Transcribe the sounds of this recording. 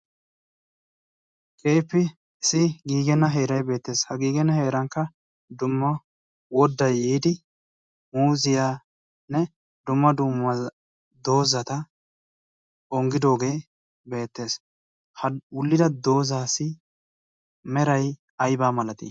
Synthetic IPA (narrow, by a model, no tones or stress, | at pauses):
kʼe̞ːpːɪ | ɪsɪɡiːɡɛnːɐɦe̞ːɾɐjbe̞ːt̪ːe̞ːshɐɡiːɡɛnːɐhe̞ːɾɐŋkːɐ | d̪ʊmːɐ | wɔd̪ːɐjːiːd̪ɪ | muːzɪjaː | nɛ | d̪ʊmːɐd̪ʊmɐ | d̪o̞ːzɐt̪ɐ | ɔŋɡɪd̪o̞ːɡe̞ː | be̞ːt̪ːe̞ːs | hɐwʊlːɪd̪ɐd̪o̞ːzaːsɪ | mɛɾɐj | ɐjbaːmɐlɐt̪ḭː